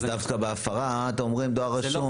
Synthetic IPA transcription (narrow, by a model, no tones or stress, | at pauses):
d̪afkabeafaʁaːt̪emomʁimd̪oaʁaʃʃo